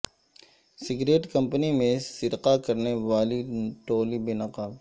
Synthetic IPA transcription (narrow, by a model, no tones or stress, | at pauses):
sɪɡɾeːʈkɐ̃mpənimẽsɪɾqakɐɾneʋaːliʈoːlibenɐqaːb